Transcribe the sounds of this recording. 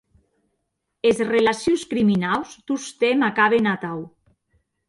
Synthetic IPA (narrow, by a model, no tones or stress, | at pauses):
ezrelasjuskɾiminawst̪ust̪emakaβenat̪aw